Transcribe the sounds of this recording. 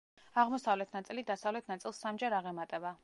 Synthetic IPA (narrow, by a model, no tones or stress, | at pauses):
aʁmɔsavlɛt̪ʰnat̪sʼilid̪asavlɛt̪ʰnat̪sʼilˠsːamd͡ʒaɾaʁɛmat̪ʼɛba